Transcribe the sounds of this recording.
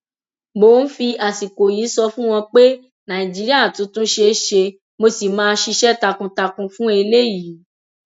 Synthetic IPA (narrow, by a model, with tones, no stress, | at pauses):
bo˨˦n̩˦fi˧a˨si˨ko˨jiː˨˦sɔ˧fũ˦w̃ɔ̃˧k͡pe˦ | nã˨ĩ˨d͡ʒi˨˦ɾi˦a˦˨tũ˨˦tũ˦ʃe˧˦ʃe˧ | mo˧si˨mãː˨˦ʃi˧ʃɛ˦ta˧kũ˧ta˧kũ˧fũ˦e˧le˦jiː˨˦